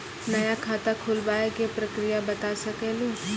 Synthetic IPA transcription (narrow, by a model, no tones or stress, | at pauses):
nɐjakʰaːt̪akʰʊlbaːekepɾɐkɾijabɐt̪asɐkeːli